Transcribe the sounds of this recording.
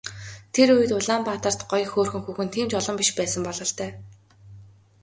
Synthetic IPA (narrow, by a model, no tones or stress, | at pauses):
t̪ʰeɾujɘ̆t̪ʊɮaːmpat̪ə̆r̥t̪ɢɔjxoːrxɵ̆ŋxuːxɘ̆nt̪ʰiːmt͡ɕɔɮɞ̆mpiʃpæːsə̆mpɔɮɞ̆ɬt̪œː